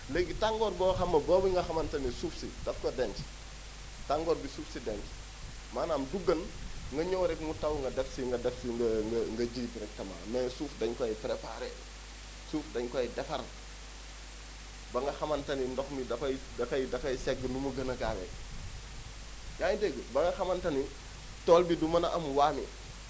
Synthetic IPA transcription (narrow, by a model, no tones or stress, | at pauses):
lɛɡːitaŋɡɔːɾbɔːxɐmːɐbɔːbiŋɡɐxɐmɐntɐnisuːfsidɐfkɔdɛnt | taŋɡɔːɾbisuːfsidɛnt | maːnaːmduɡɐnŋɡɐɲowɾɛk̚mutɐwŋɡɐdɛfsiŋɡɐdɛfsiŋɡɐŋɡɐŋɡɐɟiːbiɾɛk̚tɐma̰ːmɛsuːfdɐɲkɔjpɾepaɾɛ | suːfdɐɲkɔjdɛfɐɾ | bɐŋɡɐxɐmɐntɐnindɔxmidɐfɐj | dɐfɐjdɐfɐjsɛɡənumɐɡɐnɐɡaːwɛ̰ | ɲaːɲdɛɡəbɐŋɡɐxɐmɐntɐni | tɔlbidumɐnɐʔɐmwaːmi